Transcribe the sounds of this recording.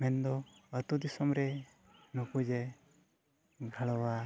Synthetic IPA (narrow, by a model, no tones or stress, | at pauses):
mɛnd̪ɔət̪ud̪isɔmɾɛ | nukud͡ʒe | ɡʱəɭɔwa